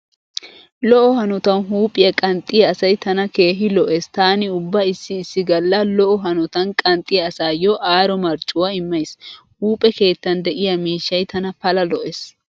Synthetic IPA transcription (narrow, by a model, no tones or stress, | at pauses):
lɔʔɔhɐnɔt̪ɐnɦuːpʼːɪjɐkʼɐnt̪ʼːɪjɐːsɐjt̪ɐnɐke̞ːɦɪlɔʔest̪aːnɪʊbːɐɪsːɪːsːɪɡɐlːɐlɔʔɔɦɐnɔt̪ɐnkʼɐnt̪ʼɪjɐːsaːjɔʔaːɾɔmɐɾt͡ʃʼːʊwɐɪmːɐjs | huːpʼɛke̞ːt̪ːɐnd̪ɛʔɪjɐmiːʃːɐjt̪ʰɐnɐpɐlɐlɔʔes